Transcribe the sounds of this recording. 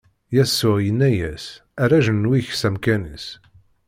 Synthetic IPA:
jæsːʊjənːæjæsæɾæʒənːwiçsæmkænḭs

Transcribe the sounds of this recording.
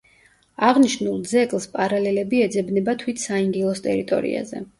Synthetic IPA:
aʁniʃnulˠd̪zɛkʼlˠspʼaɾalɛlɛbiɛd̪zɛbnɛbat̪ʰwit̪ʰsaiŋɡilˠɔst̪ʼɛɾit̪ʼɔ̰ɾḭa̰zɛ

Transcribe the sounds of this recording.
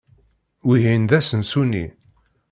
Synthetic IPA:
wiɦinðæsənsunḭ

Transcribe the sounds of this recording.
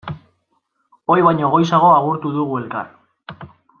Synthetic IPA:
o̞jβajɲo̞ɣo̞jsaɣ̞o̞aɣuɾt̪uðuɣue̞lka̰r

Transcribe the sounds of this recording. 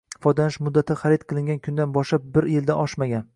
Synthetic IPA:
fɒjd̪anɪʃmʊd̪ːat̪ʰɪχaɾidt̪̚qʰɨlˠɪŋɡʲankʲʰʊnd̪anbɒʃlap̚bɪɾjeld̪aʔɒʃmaɡʲan

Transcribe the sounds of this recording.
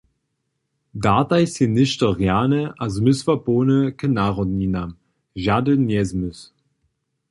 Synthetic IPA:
daːtajsinɪʃtəʁjaːnəʔazmysvapoːnəkʰənaʁɔninam | ʒadənɛzmʏs

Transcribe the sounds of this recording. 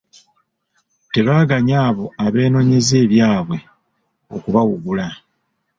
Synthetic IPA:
te̞βaːɡaɲaːβo̞aβe̞ːno̞ːɲe̞ze̞ːβjaːβwe̞ | o̞kuβawuɡula

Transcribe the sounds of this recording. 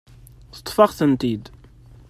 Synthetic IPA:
θə̥t̪ˤːfɑʁθənt̪id̪

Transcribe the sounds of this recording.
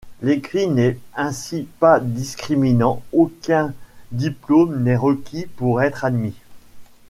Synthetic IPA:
lekχinɛɛ̃sipad̪iskχiminɑ̃okʲɛ̃d̪iplomnɛʁəkʲʰipuʁɛt̪χad̪mi

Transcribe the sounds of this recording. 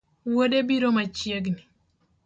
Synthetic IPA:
wodebiɾomat͡ʃjeɡni

